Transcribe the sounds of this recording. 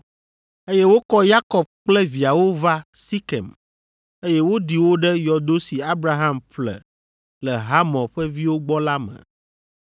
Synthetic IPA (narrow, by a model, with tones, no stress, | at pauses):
e˦jɛ˦wo˦kɔ˦ja˦kɔ˨b̚k͡plɛ˦vi˨a˨wo˦va˦si˦kɛ̰˨m | e˦jɛ˦wo˦ɖi˨wo˦ɖɛ˦jɔ˨d̪o˦si˨a˦bɾa˦ɦa˦mɸlɛ̰˨ | lɛ˨ɦa˦mɔ̃˨ɸɛ˦vi˦wo˦ɡ͡bɔ˦la˦mɛ̰˨